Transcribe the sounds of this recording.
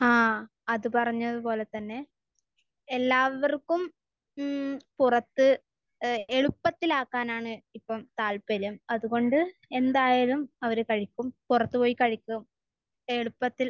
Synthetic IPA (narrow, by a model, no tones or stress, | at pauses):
aː | ɐðɨpɐrɐɲːɐðupo̞ːle̞t̪ɐnːe̞ | elːaːʋɐrkːum | purɐt̪ːɨ | eɻupːɐt̪ːilaːkːaːnaːɳɨipːɐmt̪aːlpɐɾɐmɐðuɣo̞ɳɖɨe̞nd̪aːjaːlumɐʋɐɾɨkɐɻikʲːumpurɐt̪ːɨpo̞ːjikɐɻikʲːum | eɻupːɐt̪ːil